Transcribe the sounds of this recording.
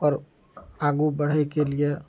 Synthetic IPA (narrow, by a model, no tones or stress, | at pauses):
ɔɾ | aɡubəɽ̤əkelie